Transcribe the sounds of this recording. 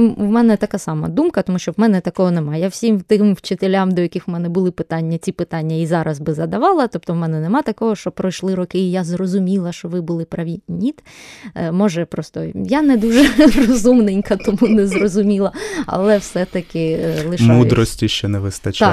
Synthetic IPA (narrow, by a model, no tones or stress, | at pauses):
wmɛnɛt̪ɐkasɑmɐ̰d̪umkɐt̪ɔmuʃt͡ʃɔwmɛnɛt̪ɐkɔɦɔnɛmɑjɐwsʲimt̪ɪmwt͡ʃɪt̪elʲamd̪ɔjɐkʲɪxʊmɛnɛbʊlˠɪpɪt̪ɑnʲːɐt͡sʲipɪt̪ɑnʲːɐizɑɾɐzbɪzɐd̪ɐʋɑlˠɐt̪ɔp̚t̪ɔwmɛnɛnɛmɑt̪ɐkɔɦɔʃt͡ʃɔpɾɔjʃlˠɪɾɔkɪijazrɔzʊmʲilˠɐʃt͡ʃɔʋɪbʊlˠɪpɾɐʋʲinʲit̪ | mɔʒɛpɾɔst̪ɔjanɛd̪uʒɛrɔzumnɪnʲkɐt̪ɔmunɛzrɔzʊmʲilˠɐɐ̰lˠɛwsɛt̪ɐkɪlˠɪʃmud̪ɾɔsʲtʲiʃt͡ʃɔnɛʋɪst̪ɐt͡ʃt̪a